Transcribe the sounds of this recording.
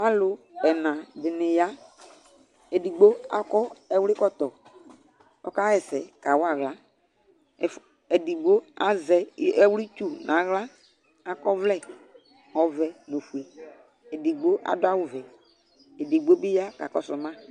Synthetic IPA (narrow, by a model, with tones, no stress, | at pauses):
a˦lʊ˨ɛ˨nã˨dɪ˨nɪ˨ja˦ | e˨di˨ɡ͡bo˦a̰˨kɔ˦ɛ˦˨wlɪ˦kɔ˦t̪ɔ˨ | ɔ̰˦ka˦ɣɛ˨sɛ˨ka˨wa˨ɣla˦˨ | ɛ˨di˨ɡ͡bo˦a˨zɛ˨ɛ˦wli˦t͡ʃu˦nʔã˨ɣla˦ | a˨kɔ˦vlɛ˦˨ | ɔ˨vɛ˨no˨fu˨e˨ | ɛ˨di˨ɡ͡bo˦ʔa̰˨dʊ˦a˦wʊ˨vɛ˨ | e˨di˨ɡ͡bo˦bi˦ja˦ka˨kɔ˦sʊ˨mã˦